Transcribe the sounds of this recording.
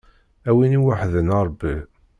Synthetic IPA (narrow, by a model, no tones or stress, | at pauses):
æwiniwaħðənɑɾˤbːi